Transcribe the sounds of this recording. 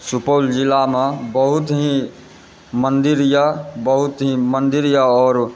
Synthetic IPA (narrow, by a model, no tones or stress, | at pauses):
supold͡ʒilamebəɦut̪ɦĩ | mənd̪iɾjabəɦut̪ɦĩmənd̪iɾjaɔːɾ